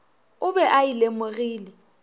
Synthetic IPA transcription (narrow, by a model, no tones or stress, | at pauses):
ʊbɛʔaɪlemʊɣiːlɪ